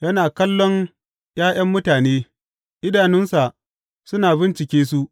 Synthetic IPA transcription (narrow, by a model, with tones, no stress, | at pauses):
jɐ˦naː˨kɐ˦lːɔ˦ŋ | j̰aː˦j̰ɐ˦mːʊ˦taː˨neː˦ | ʔɪ˦daː˨nɪ˦nsa˨ | sʊ˦naː˨bɪ˦nt͡ʃɪ˨kʲeː˦s̬u˦ʔ